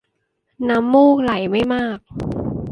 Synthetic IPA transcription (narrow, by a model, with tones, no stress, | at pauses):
na˦˥mːuː˥˩k̚la˩˦jma˥˩jmaː˥˩k̚